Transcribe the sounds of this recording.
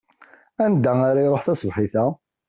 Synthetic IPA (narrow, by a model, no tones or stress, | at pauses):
ænd̪æaɾajɾˤoħθæsvħiθæ